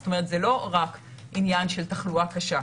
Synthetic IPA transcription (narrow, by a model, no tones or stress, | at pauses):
t̪ome̞et̪zelo̞ʁak | injanʃeltɐχluakaʃa